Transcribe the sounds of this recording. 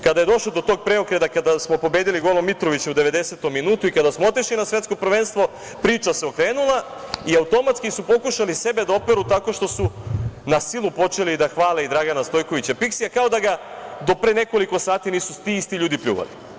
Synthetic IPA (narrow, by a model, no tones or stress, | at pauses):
kad̪aje̞d̪o̞ʃlod̪o̞t̪o̞ːɡ̚pɾe̞o̞kɾe̞d̪akad̪asmo̞po̞be̞ːd̪iliɡo̞lomːit̪ɾo̞ʋit͡ɕeud̪e̞ʋe̞d̪e̞se̞t̪omːinuːt̪uikad̪asmoo̞t̪iʃlinasʋjet̪ko̞pɾ̩ʋenst̪ʋo̞ | pɾiːt͡ʃase̞okɾe̞ːnulˠa | iaut̪o̞mat̪skisupo̞kuʃalise̞be̞d̪ao̞pe̞ɾut̪ako̞ʃt̪o̞sunasilupo̞t͡ʃe̞lid̪axʋaːleid̪ɾaɡanast̪o̞jko̞ʋit͡ɕapiksijakao̞d̪aɡa | d̪o̞pɾe̞ne̞ko̞liko̞saːt̪iniːsust̪iist̪iʎuːd̪ipʎṵːʋa̰li